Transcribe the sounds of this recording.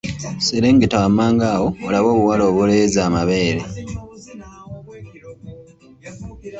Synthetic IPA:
seɾeːŋɡetawamaːŋɡaːwo̞olaβo̞ːβuwalo̞ːβule̞ːzaːmaβe̞ːɾe

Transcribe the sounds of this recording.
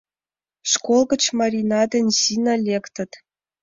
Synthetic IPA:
ʂkolˠɣə̆t͡ɕmɑɾʲinɑd̪ɘ̆nʲsinɑlʲekt̪ə̆t̪

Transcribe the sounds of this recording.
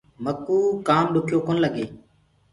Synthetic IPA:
məkːuːkaːmɗʊkʰjoːkoːnləɡeː

